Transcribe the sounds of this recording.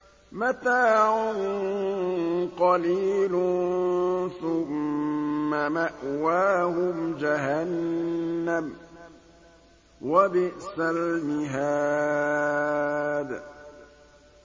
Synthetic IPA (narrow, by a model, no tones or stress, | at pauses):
mat̪aːʕʊnn | qɑliːlʊ | θʊmː | amaʔwaːhʊmd͡ʒaɦanː | am | wabɪʔsalnɪɦaː | d̪